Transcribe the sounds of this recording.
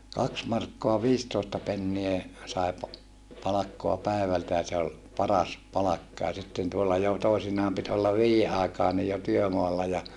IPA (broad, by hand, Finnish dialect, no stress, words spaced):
kɑks mɑrkːoɑ ʋiːstoːstɑ penːie sɑˑi pɑ pɑlɑkːoɑ pæˑeʋæltæ jɑ se ol pɑrɑs pɑlɑkːɑ jɑ sitːen tuolːɑ jo toisinɑːm pit olːɑ ʋiːjːe ɑˑekɑːnij jo tyømoɑlːɑ jɑ